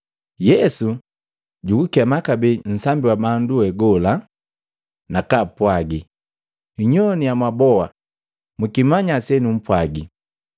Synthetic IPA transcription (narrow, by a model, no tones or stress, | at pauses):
jɛsu | ɟukukɛmakabɛn̩sambiwabanduɛɡɔla | nakapwaɡi | uɲɔnijamwabɔa | mukimaɲasɛnum̩pwaɡi